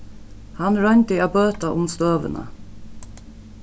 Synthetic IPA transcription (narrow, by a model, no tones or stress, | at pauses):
hɑnɹœnʲt̪əaːbøːt̪aʔʊmst̪øːʋə̰nə̰